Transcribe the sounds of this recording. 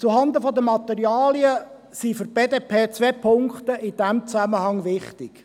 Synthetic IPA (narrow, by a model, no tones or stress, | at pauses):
t͡suɦɑnd̪əfɔd̪əmɑt̪ɛɾiɑːliə | sifʏrb̥eːdeːpʰeːt͡sʋepʰʊŋkt̪əʔɪd̥æmt͡sæməhɑŋʋɪχtɪk